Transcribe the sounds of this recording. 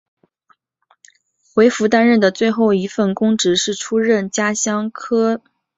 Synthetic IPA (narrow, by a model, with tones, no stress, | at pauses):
xwe˧˥ɪfu˧˥t̪a˥nɻə˥˩nd̪ə˩t͡swe˥˧ɪxo˥˩ʊi˧˥fə˥˩nkʊ˥ŋʈ͡ʂɻ̩˧˥ʂɻ̩˥˩ʈ͡ʂʰu˥ɻə˥˩nt͡ɕja˥ɕjɑ˥ŋkʰɤ˥